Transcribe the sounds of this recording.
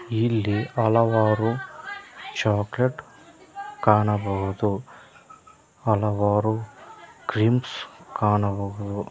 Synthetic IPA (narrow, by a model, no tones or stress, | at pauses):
ilːiɐlɐʋaːɾu | t͡ʃaːkleʈ | kaːɳɐbɐːud̪u | ɐlɐʋaːɾukɾiːmskaːɳɐbɐɡud̪u